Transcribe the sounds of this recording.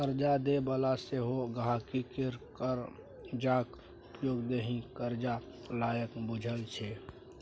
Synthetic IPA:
kəɾd͡ʒad̪ebəlaseɦoɡʱakikeɾkəɾ | d͡ʒaːk | ʊpjoːɡd̪eɦĩkəɾd͡ʒa | laːjəkbʊd͡ʒʱəlt͡ʃʰe

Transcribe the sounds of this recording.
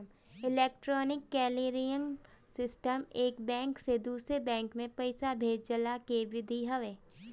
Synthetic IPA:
ɪlɛːk̚ʈɾɔːnɪkːɛːliːɾijəŋ | sɪsʈəmeːkbɛ̃ːŋksed̪uːsɾebɛ̃ːŋkmẽpɐɪsabʱeːd͡ʒd͡ʒəlakeʋɪd̪ʱiɦɐʋeː

